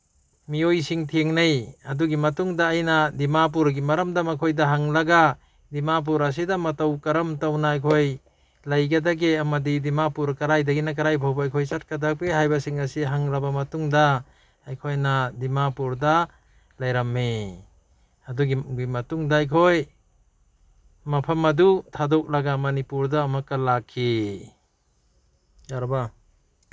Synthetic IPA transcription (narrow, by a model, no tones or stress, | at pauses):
miojsiŋtʰieŋnajɐduɡimɐtuŋdaːjnadimap̬uɾɡimɐɾɐmdamakʰojdaɦaŋlɐɡa | dimap̬uɾɐs̬idamatawkɐɾɐmtawnaːjkʰoj | lajɡadaɡeamɐdidimapuɾkɐɾajdaɡinak̬aɾajbʰʱawbaajkʰojsat̚kadapeɦajbasiŋasiɦaŋɾabamɐtuŋdaː | jkʰojnadimapuɾda | lajɾamːi | ɐduɡiimɐtuŋdaːjkʰoj | mɐpʰɐmɐdutʰadɔk̚laɡamɐnipuɾdaːmakalakʰːi | jaɾba